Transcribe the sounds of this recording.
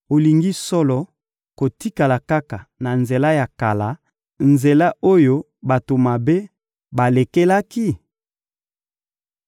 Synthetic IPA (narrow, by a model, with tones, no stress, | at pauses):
o˨li˨ŋɡi˦sɔ˦lɔ˨ | ko˨ti˦ka˨la˨ka˦ka˨na˨nze˨la˦ja˨ka˨la˨˦ | nze˨la˦o˦jo˦ | ba˨to˨ma˨be˦ | ba˨le˨ke˦la˦ki˦